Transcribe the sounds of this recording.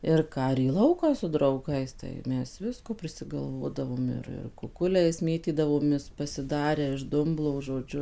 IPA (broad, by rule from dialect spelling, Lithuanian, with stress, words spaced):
ɪr ˈkɑː ɪr iː ˈlˠɐʊkɑː sʊ drɐʊˈɡɐɪs tɐɪ ˈmʲɛs ˈʋʲɪskoː pʲrʲɪsʲɪɡɐlˠˈʋoːdɐʋoːm ˈɪr ɪr kʊˈkʊlʲɛɪs ˈmʲeːtʲiːdɐʋoːmʲeːs pɐsʲɪˈdɑːrʲæː ɪʃ ˈdʊmblˠoː ʒoːˈd͡ʒʲʊ